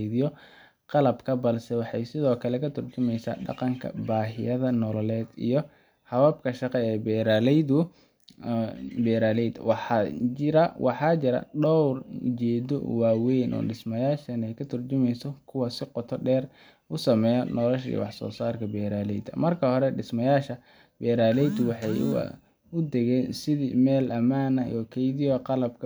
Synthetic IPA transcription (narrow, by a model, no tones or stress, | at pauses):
ðɪjɔ | qɑlɐbkʰɐbɐlsɛwɑħɑjsɪðɔːkʰɐlɛkʰɐt̪ʰʊrt͡ʃʊmɛjsa̰ːɖɑ̰qɑŋkʰɐ̰baːɦɪjɐðɐnɔlɔlɛːd̪ḭjɔ | hɐβɐb̚kʰɐʃɑqɛɛːbɛːɾaːlɛjdʊ | bɛːɾaːlɛjd̪wɑħɑɪɾɐwɑħɑːt͡ʃɪɾɐ̰ɖɔwrt͡ʃɛːd̪ɔ̰waːwɛjnʔɔ̰ːɖɪsmɐjaːʃɐnɛjkʰɐt̪ʰɐrt͡ʃʊmɛjsɔkʰʊwɑsɪqɔt̪ʰɔɖɛːr | ʔʊsɐmɛːjɐnɔlɔʃḭj̰wɑħsɔ̰ːsaːrkʰɐbɛːɾaːlɛ̰jd̪ɐmɐrkʰɐhɔɾɛɖɪsmɐjaːʃɐ | bɛːɾaːlɛjd̪ʊwɑħɑj̰ | ʊd̪ɛɣɛːnsɪðḭːmɛːlɐmaːnɐ̰ɔkʰɛjðiɐqɑlɐb̚kʰɐ